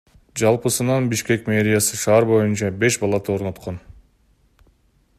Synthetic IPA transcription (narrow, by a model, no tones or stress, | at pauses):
d͡ʒɑlˠpɯsɯnɑnbiʃke̞kmʲe̞ɾʲɪjasɯʃɑːɾbo̞junt͡ʃɑbe̞ʃbɑlˠɑt̪ʰɯo̞ɾno̞t̪qo̞n